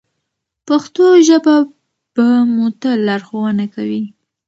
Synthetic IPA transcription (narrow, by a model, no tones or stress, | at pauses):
paxt̪oʒəba | pamot̪əlaɾxowənakawi